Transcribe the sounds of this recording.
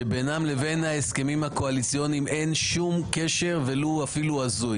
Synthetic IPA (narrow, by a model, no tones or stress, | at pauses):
ebenamle̞ve̞nhaeske̞mimhako̞alit͡sijo̞nimʔe̞nʃumkeʃe̞ʁve̞luafiluazuj